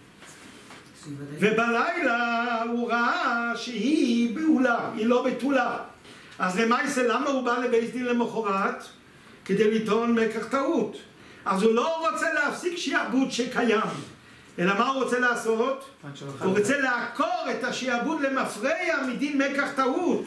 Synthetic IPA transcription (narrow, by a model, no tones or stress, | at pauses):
vebalajlauʁaaʃehibulahilo̞betula | ʔazlemajselamaubalebejsd̪inlemoχoʁat | ked̪ejlit̪onmekaχtaut | azulo̞ʁot͡seleafsikʃiabutʃekajam | elamauʁot͡selaːsotuʁot͡seleakʰoʁet̪aʃiabut̪lemafʁejamid̪inmekaχt̪aut